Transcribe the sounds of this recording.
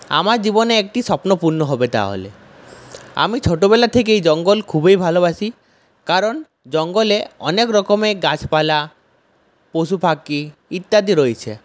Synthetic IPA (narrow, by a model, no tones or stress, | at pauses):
a̰maɾd͡ʑibɔneek̚ʈiʃɔpnopuɾnoɦobet̪a̰ɦo̰lḛ | a̰mit͡ʃʰoʈobelat̪ʰek̬eejd͡ʑɔŋɡolkʰubejbʱaloβaʃi | kaɾɔn | d͡ʒɔŋɡoleɔ̰nekɾɔkomeɡat͡ʃʰpala | posupʰakːiit̪ːad̪iɾojt͡ɕʰe